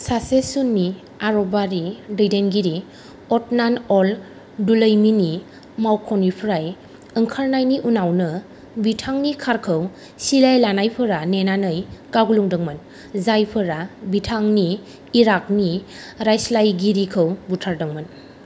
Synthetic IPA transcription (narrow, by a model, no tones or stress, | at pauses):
sasesunːi | aɾɔbaɾidɯjdenɡiɾi | ɔt̚nanɔl | duləjmini | mawkʰɔnipʰɾaj | ɯŋkʰaɾnajniʔunawnɯ | bitʰaŋnikʰaɾkʰəw | silajlanajpʰɯɾanenanɯjkaɡuluŋdɯŋmɯn | zajpʰɯɾabitʰaŋniː | ɾak̚ni | ɾajslajɡiɾikʰəwbutʰaɾdɯŋmɯn